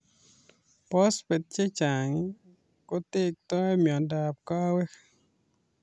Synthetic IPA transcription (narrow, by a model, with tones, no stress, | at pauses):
pɔ˦spe˨t̪̚t͡ʃe˦t͡ʃa˨ŋi˦ | ko˦t̪e˦k̚t̪ɔ˦ɛ˦mjɔ˨da˨p̚kɔ˦wɛ˦k